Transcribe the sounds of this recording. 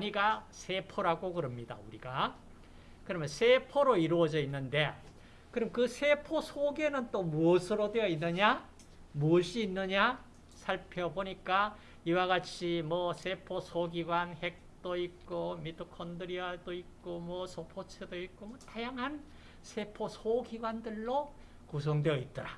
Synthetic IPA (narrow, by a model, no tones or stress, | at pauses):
aɲiɡasʰe̞pʰoɾaɡokɯɾʌmɲida̰uɾiɡa | kɯɾʌmjʌnsʰe̞pʰoɾoiɾoʌd͡ʑʌinːɯnde̞ | kɯɾʌmkɯsʰe̞pʰosʰoɡenɯnt͈omuʌsʰɯɾodwejʌinːɯɲa | muʌɕ͈ʰiːnːɯɲa | sʰaɭpʰʌboɲik͈a | iwaɡat͡ɕʰimwʌsʰe̞pʰosʰoɡiɡwanhe̞k̚t͈oik͈omitʰokʰʌndɯɾiadoik͈omwʌsʰopʰot͡ɕʰedoik̚k͈omʌtajaŋɦan | sʰe̞pʰosʰoɡiɡwandɯɭːo | kus̬ʰʌŋdwejʌit̚t͈ʌɾa